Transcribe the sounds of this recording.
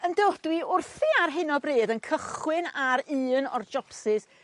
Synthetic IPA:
əndod̥wiʊrθiarɦɪnɔbreːdənkʰəχwɪnaɾɨːnɔ̰rd͡ʒɔpsɪs

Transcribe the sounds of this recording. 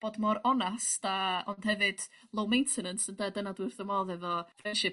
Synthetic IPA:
b̥oːdmɔɾɔnasd̥aɔnd̥hɛvɨd̥ | lˠowmejntʰɛnənsəndadənadwɨrθəmɔðɛvɔfrɛnʃɪ

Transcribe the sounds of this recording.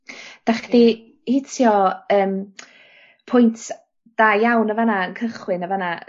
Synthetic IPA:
d̥aχdi | hɪtʰjɔəːm | pʰʊjntʰ | d̥ajawnəvanaənkʰəχwɪnəvana

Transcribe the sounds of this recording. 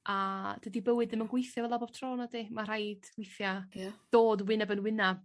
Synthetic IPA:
ad̥ədibəwɨdðɨmənɡwejθjavɛlˠabɔb̥̚tʰroːnadimar̥ajd̥ɡwɪjθjad̥oːdwɨnabənwɪna

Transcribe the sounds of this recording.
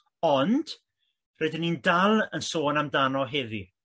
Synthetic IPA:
ɔnd̥ | rɛdɪnːindalˠənsoːnamdanɔɦeðḭ

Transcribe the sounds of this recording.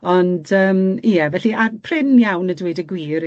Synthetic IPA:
ɔndəːmijɛvɛɬiapʰrɪnjawnədwiːdəɡwiːɾ

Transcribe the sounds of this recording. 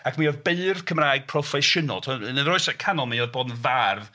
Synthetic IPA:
akʰmiɔðbeɨrkʰəmraːjɡ̥̚pʰrɔfɛʃɨnɔ̰lˠtʰɔənənrɔɨsakʰanɔlˠmiɔðbɔːdnvarv

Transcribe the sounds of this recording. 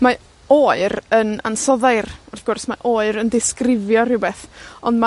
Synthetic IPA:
ma | oːɨɾəna̰nsɔðajrɔrθɡ̥ɔrsmaʔoːɨɾəndɪskrɪvjɔrɪwbɛθɔndma

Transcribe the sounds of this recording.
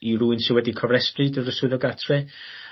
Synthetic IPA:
iɾuːɨnsɪwɛdikʰɔvrɛsprɨdəɾəsʊðɔɡatʰrɛ

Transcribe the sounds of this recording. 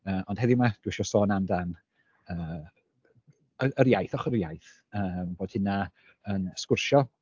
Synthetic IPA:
əːʔɔnd̥hɛðɪmad̥wɪʃɔsɔːnamdan | əː | əəɾjajθɔχərjajθ | əːmboːd̥hɪna | ənskwʊrʃɔ

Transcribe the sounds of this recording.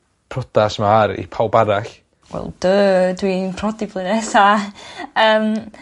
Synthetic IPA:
pʰrɔd̥asmaɾḭpʰawbaɾaɬ | wɛ̰lˠd̥əːdwinpʰrɔdiblˠɨnɛsa | əːm

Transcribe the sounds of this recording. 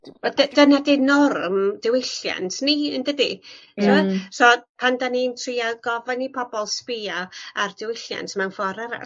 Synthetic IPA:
dədənadɪnɔrmdɪwɪɬja̰ntʰniəndəditʰɪmasɔpʰandanintʰriaɡɔvanipʰɔbɔlˠspiaardɪwɪɬja̰ntʰmɛwnfɔɾɛɾa̰

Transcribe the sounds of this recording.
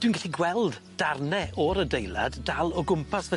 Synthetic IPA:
d̥winɡaɬiɡwɛlˠdd̥arnɛʔɔɾədejlˠa̰ddalˠɔɡʊmpʰasvɛ

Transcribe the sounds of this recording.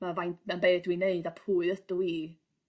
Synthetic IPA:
mavajnmɛnbeːdwineɨdapʰuːɨðəd̥ʊi

